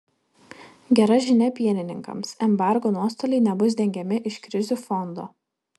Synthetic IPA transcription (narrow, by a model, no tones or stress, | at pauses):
ɡʲɛɾɐʒʲɪnʲɛpʲiɛnʲɪnʲɪŋkɐ̰msɛmbɑˑɾɡoːnuɔst̪oːlʲɛɪnʲɛbʊs̬d̪ʲɛŋʲɡʲɛmʲɪʔɪʃkɾʲɪzʲuːfɔnd̪oː